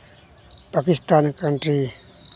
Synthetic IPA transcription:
pakist̪ankanʈɾi

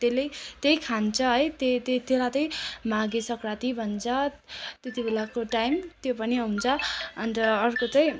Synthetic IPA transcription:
t̪elejt̪ejkʰant͡sʰʌɦʌjt̪et̪et̪elat̪ʌj̃maɡesʌkɾat̪ibʱʌnt͡sʰʌ | t̪et̪ibʱelakoʈajmt̪jopʌniaunt͡sʰʌʌnrʌːrkot͡sãj̃

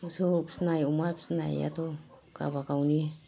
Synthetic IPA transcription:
usopsnajumapsna̰ja̰t̪o | ka̰bakawnie

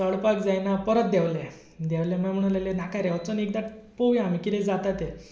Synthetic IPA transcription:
əɭpakd͡zajnapəɾət̪̚d̪ɛʋlɛ | d̪ɛʋljãmam̤əɽ̃lalenakaɾeɔt͡sənek̚d̪aʈpowjãam̤ikit̪ɛ̃d͡zat̪at̪e

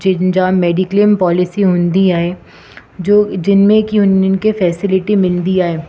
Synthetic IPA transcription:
d͡ʒɪnd͡ʒaːbmːɛːɖɪklɪmpɔːlɪsiɦʊ̃nd̪iaːe | d͡ʒod͡ʒɪnmẽkiʊnnkefɛːsɪlɪʈimɪld̪iaːeː

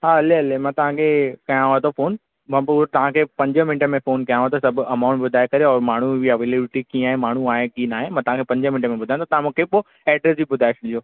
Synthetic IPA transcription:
ɦaːɐleɐlemãt̪ɐʋ̤ãkʰeːkɐjãɦot̪ofoːn | mɐ̃puːɾt̪ɐʋ̤ãkʰeːpɐ̃ɲd͡ʑəmɪ̃nʈəmẽfoːnkɐjãɦot̪osɐbʱʊɐmãːʊ̃ɳʈbʊd̪ʱaːekɐɾeɔːɾmaːɳ̤ubʱiɐʋeːleɽɪʈikĩːaːɦemaːɳ̤uaːɦẽkiːnaːɦẽmɐ̃t̪ɐʋ̤ãkʰeːpɐ̃ɲd͡ʑəmɪnʈmẽbʊd̪ʱaj̃t̪ʰːt̪ɐʋ̤ãmũːkʰepo | ɛːɖɾesd͡ʑibʊd̪ʱaːɪeʃɗioː

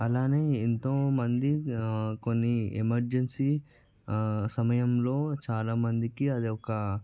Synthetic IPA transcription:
ɐlaːne̞ːint̪oːmɐnd̪iko̞nːiḛmɐɾd͡ʒensi | sɐmɐjɐmlo̞ːt͡ʃaːlaːmɐnd̪ikiɐd̪iɔkɐ

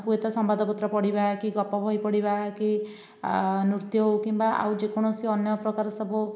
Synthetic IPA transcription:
puet̪ɔsɔmbad̪ɔpɔt̪ɾɔpɔɽibakiɡɔpɔbʱɔipɔɽibaki | nuɾt̪jɔɦowkimbaa̰wd͡ʒekɔɽ̃ɔsiɔnjɔpɾɔkaɾɔsɔbʱu

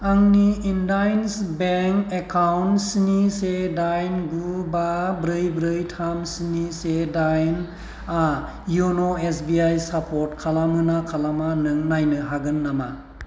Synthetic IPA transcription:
aŋniːndajnsbeŋkekʰawnsinisedajnɡubabɾɯjbɾɯjtʰamsinisedajn | a | jonoesbiajsapʰɔɾtkʰalamɯnakʰalamanɯŋnajnɯɦaɡɯnːama

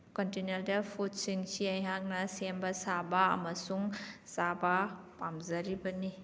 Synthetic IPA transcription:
kontineɾdɐpʰut̚siŋsiɐjɦaŋ̚nɐsembɐsabɐɐ̰mɐsuŋsabɐ | pamzɐɾibɐni

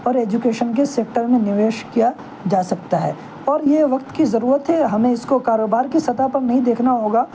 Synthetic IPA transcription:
ɔːɾeːd͡ʒukeːʃənk̬eseːk̚ʈəɾmẽnɪʋeːʃkija | d͡ʒaːsɐk̚t̪aɦɛ̰ː | ɔːɾjeʋɐk̚t̪kizɐɾuːɾət̪ɦɛɦɐmẽɪskokaːɾoːbaːɾkisɐt̪apɐɾnɐɦĩd̪eːkʰnaɦoːɡaː

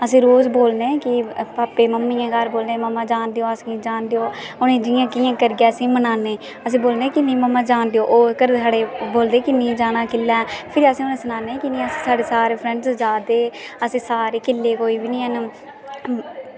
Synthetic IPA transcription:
əs̬ĩːɾoːzboːlnẽːkɪpaːpeːməmːiːãːɡaːɾboːlnẽːməmːãːd͡ʒaːnd̪eːoːəsĩːd͡ʒaːnd̪eːoː | ʊnẽːd͡ʒɪjãːkijãːkəɾɡɛːəsĩːmənaːneː | əsĩːboːlneːkɪnĩːməmːãːd͡ʒaːnd̪eoːʔoːkəɾsaːɽeːboːld̪eːkɪnĩːd͡ʒaːnãːkɪlːɛːpʰɪɾiəsĩːonẽːsənaːnẽːkɪnĩːəsĩ̥ːsaːɖeːsaːɾeːpʰɾɛ̃ɳɖsd͡ʒaːd̪eːəsĩːsaːɾeːkɪlːeːkoːiːbinĩːɦən

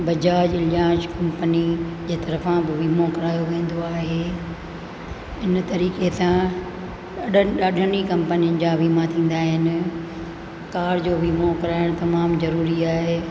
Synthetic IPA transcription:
bɐd͡ʑaːd͡ʑɪljãːʃkɐ̃mpənid͡ʑeːt̪ɐɾəfãbɪʋiːmokɐɾaːjoʋẽːn̆d̪oaːɦeː | ɪnt̪ɐɾiːkesã | ɐɗɗaːɗʱənikɐ̃mpənijənɪ̆d͡ʑaːʋiːmat̪ʰĩːnd̪aːɦɪnɪ̆ | kaːɾd͡ʑoːʋiːmokɐɾaːɪɽ̃t̪ɐmaːmzɐɾuːɾiaːɦeː

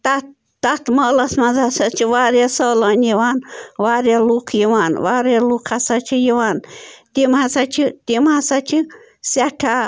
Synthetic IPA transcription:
t̪at̪ː | at̪məlasmãzasat͡ʃʰiʋaɾjasolonjewanwaɾjalukʰjewanwaɾjalukʰasat͡ʃʰijiwant̪imhasat͡ʃʰit̪imhasat͡ʃʰi | saʈʰa

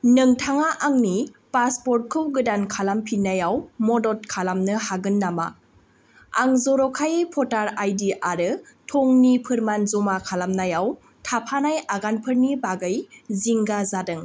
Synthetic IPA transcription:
nɯŋtʰaŋaʔaŋni | paspɔɾt̚kʰɯwɡɯdankʰalampʰinːajawmɔdɔt̚kʰalamnɯhaɡɯnːama̰ | aŋzɔɾɔkʰajɯjpʰɔtaɾajdiʔaɾɯtʰɔŋnipʰɯɾmanzɔmakʰalamnajaw | tʰapʰanajaɡanpʰɯɾnibaɡɯjziŋɡazadɯŋ

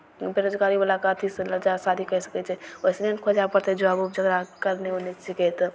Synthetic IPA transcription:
beɾod͡ʒɡaɾibalakət̪ʰisləd͡ʒasad̪ʱikɛsə̥kɛt͡ʃʰɛoɪsnenkʰod͡ʒapəɾt̪ʰɛd͡ʒoabupd͡ʒəɡɾakəɾneonesikɛt̪

